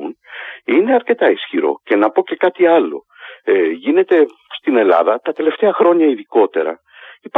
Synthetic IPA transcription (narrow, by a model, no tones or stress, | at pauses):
unine̞ɐɾce̞t̪ɐisçiɾo̞̰ce̞nɐpo̞ce̞kɐt̪iɐlo̞̰ | ʝine̞t̪e̞ | st̪ine̞lɐ̰ðɐt̪ɐt̪e̞le̞ft̪e̞ɐxɾo̞ɲɐiðiko̞t̪e̞ɾɐ̰ | ip